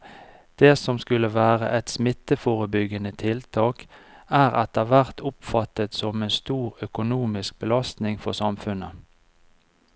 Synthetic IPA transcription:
d̪̥eːsɔmskʉləʋæːʁə̰ʔɛt̪smɪt̪əfoːʁəbʏɡənət̪ʰɪlt̪ʰɑːkæːʁɑ̰t̪̚d̪eæʋæʁt̪ʰʊpfɑt̪ət̪sɔmeːnst̪uːʁœkʊnuːmɪsk̚bəlɑst̪nɪŋfɔʁsɑmfʉnə

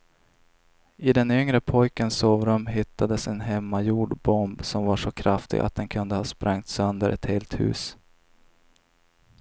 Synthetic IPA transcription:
ɪd̪ɛnʏŋɾəpʰɔjkənsoːvɾɵmːɦɪt̪ʰːad̪əsɛnɦɛmːajuːɖbɔmbsɔmvaʂɔkʰɾaft̪ɪ̰ɡa̰t̪̚d̪ɛnkʰɵnd̪əhɑːspɾʔaŋt̪sœnd̪əɾʔɛ̰t̪heːlt̪hʉ̟̰ːs

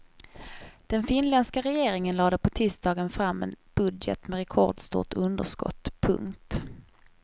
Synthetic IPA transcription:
d̪̥ɛnfɪnlɛnskaɾɛjeːɾɪŋənlɑːd̪əpʰɔt̪ʰɪst̪d̪ɑːɡənfɾamːɛ̰nb̥ɵd̪jɛ̰t̪mɛɾɛkʰɔ̰ɖst̪ṵːʈ̪ɵnd̪əʂkɔ̰t̪ːpʰɵ̰ŋkt̪

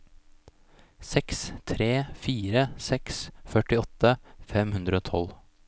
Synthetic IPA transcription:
sɛkst̪ʰɾeːfiːɾəsɛksfœʈɪɔt̪əfɛmhʉnd̪ɾəoːt̪ʰɔ̰l

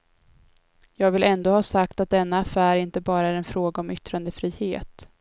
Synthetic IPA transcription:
jɑːɡvɪlɛnd̪oːhɑːsakt̪at̪̚d̪ɛnːaːfæːɾɪnt̪əbɑːɾaæɾɛnfɾoːɡaɔmʏt̪ɾand̪əfɾiːheːt̪

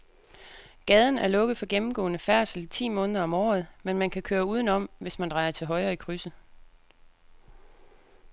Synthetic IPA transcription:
ɡ̥ɛð̞ˠn̩æɐlɔ̽ɡ̥ð̞̩ˠfɒ̽ɡ̥emm̩ɡ̥ɔ̰̽ːnəfæɐ̰sl̩t͡sʰḭːmɔ̽ːnəðˠɐɒ̽mɒ̰ːð̞̩ˠmenmænkʰækʰøːɐuːð̞ˠn̩ɒ̽m̰ʋe̝smænd̥ʁɑ̈ɪɐt͡sʰe̝lɦɒ̽ɪʁɐːikʰʁysə

